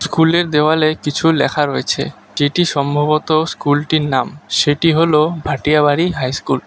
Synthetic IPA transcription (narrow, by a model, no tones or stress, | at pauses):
skuleɾd̪eoalekit͡ɕʰulɛkʰaɾoet͡ɕʰḛ | d͡ʑeʈiʃɔmbʱobot̪oskulʈiɾnamʃeʈiɦolobʱaʈijabaɽiɦajskul